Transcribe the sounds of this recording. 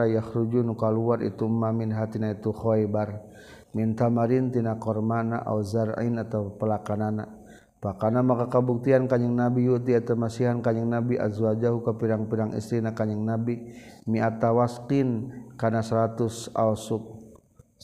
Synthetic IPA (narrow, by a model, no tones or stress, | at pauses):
ajahɾud͡ʒunukaluaɾḭt̪umːaminɦat̪inait̪uxojbar | mint̪amaɾint̪inakɔrmana̰ʔa̰zaɾḭnat̪awpəlakanana | pakanamakakabuk̚t̪iankaɲəŋnabijut̪̬iat̪amasiɦankaɲəŋnabiʔa̰zwad͡ʒaɦukapiɾaŋpiɾaŋḭst̪ɾinakaɲəŋnabi | miat̪awaskinkanasɾat̪usa̰lsuk̚